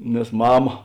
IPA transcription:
nʲɛs ˈmɑːmɐ

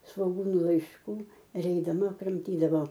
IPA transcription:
sʋoːˈɡuːnʊ lˠɐɪʃˈkuː ɪr ɛɪdɐˈmɐ krɐmʲˈtʲiːdɐʋoː

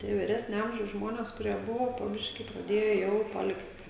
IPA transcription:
ˈtʲiɛ ʋʲiːˈrʲæːsʲnʲoː ˈɐmʲʒʲɛʊs ˈʒmoːnʲeːs kʊˈrʲiɛ ˈbʊʋoː poː ˈbʲɪʃʲkʲiː prɐˈdʲeːjoː ˈjɛʊ pɐˈlʲɪktʲ

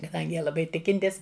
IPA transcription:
kɐˈdɐŋʲɡʲɪ ˈjiɛ lˠɐˈbɐɪ ˈtʲɪkʲɪnʲtʲɪs

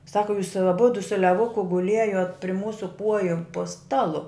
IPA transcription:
ˈsɑːkʊ juːs ɐˈbʊdʊ sʊ lʲɛˈʋʊkʊ ɡʊˈlʲiɛjoːt pʲrʲɪ ˈmuːsʊ ˈkuɔjʊ poː ˈstɑːlˠʊ

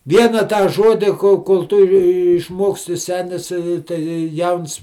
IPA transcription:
ˈʋʲiɛnɐ tɑː ˈʒoːdʲɪ koːlˠ koːlˠ ˈtʊ jiː ɪʃˈmoːksʲtʲɪ ˈsʲæːnʲɪs ɪ tɐɪ ˈjɛʊns

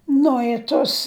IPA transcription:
ˈnʊ ɪ toːs

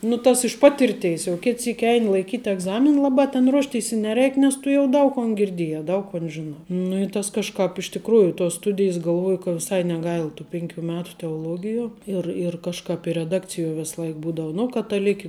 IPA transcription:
nʊ ˈtɐs ɪʃ ˈpɑːtʲɪrʲˌtʲeːs jɛʊ ˈkʲɪt ˈsʲiːkʲ ˈɛɪnʲɪ lˠɐɪˈkʲiːtʲ ɛɡˈzɑːmʲɪn ˈlˠɑːbɑː tʲɛn ˈruɔʃʲˌtʲeːɪs ɪ nʲɛˈrʲɛɪk nʲɛs ˈtʊ jɛʊ ˈdɐʊk koːn ɡʲɪrʲˈdʲeːjæː ˈdɐʊk koːn ʒʲɪˈnɑː nʊ ɪ ˈtɐs kɐʃˈkɑːp ɪʃ tʲɪkˈruːjʊ toːs ˈstʊdʲɪjs ɡɐlˠˈʋoːjʊ kɐ ʋʲɪˈsɐɪ nʲɛˈɡɐɪlˠ tuː ˈpʲɪŋʲkʲuː ˈmʲæːtʊ tʲɛoːˈlˠuɔɡʲɪjuɔ ɪr ɪr kɐʃˈkɑːp ɪ rʲɛˈdɑːkt͡sʲɪˌjuɔ ˈʋʲeːslˠɐɪk ˈbuːdoːʊ nʊ kɐtɐˈlʲɪkʲɪ

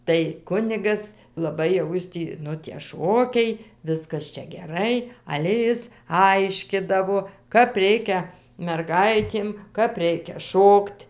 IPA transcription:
tɐɪ ˈkʊnʲɪɡɐs lˠɐˈbɐɪ jɛʊ ˈjɪs tʲiː ˈnʊ tʲiɛ ˈʃoːkʲɛɪ ˈʋʲɪskɐs ˈt͡ʃʲɛ ɡʲɛˈrɐɪ ˈɑːlʲɛ ˈjɪs ˈɐɪʃʲkʲɪdɐʋoː ˈkɐp ˈrʲɛɪkʲɛ mʲɛrˈɡɐɪtʲeːm ˈkɐp ˈrʲɛɪkʲɛ ˈʃoːktʲ

